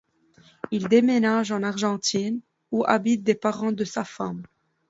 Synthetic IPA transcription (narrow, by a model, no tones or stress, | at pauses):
ild̪emenaʒɑ̃naʁʒɑ̃t̪ʰin | uʔa̰bit̪̚d̪epaʁɑ̃d̪əsafam